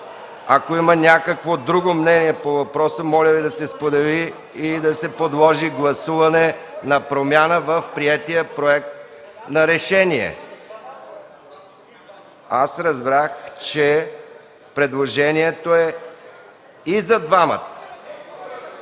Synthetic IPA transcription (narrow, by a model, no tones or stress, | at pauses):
ɐkoimənʲakəkvod̪ɾuɡomnɛniɛpovɐpɾɔsəmɔlʲəvid̪ɐsɛspod̪ɛliː | d̪ɐsɛpod̪lˠɔʒiɡlˠɐsuvɐnɛnɐpɾomʲjanəvəfpɾiɛt̪ijəpɾoɛk̚t̪̚nɐɾɛʃɛniɛ̰ | a̰sɾɐzbɾaxt͡ʃɛ | pɾɛd̪lˠoʒɛniɛt̪oɛ | izɐd̪vamə̰t̪